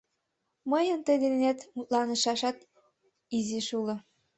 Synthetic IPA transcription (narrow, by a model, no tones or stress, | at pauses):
məjə̆nt̪əjd̪ennet̪mut̪̚lɑnə̆ʃɑʃɑt̪ | iziʃulɤ̆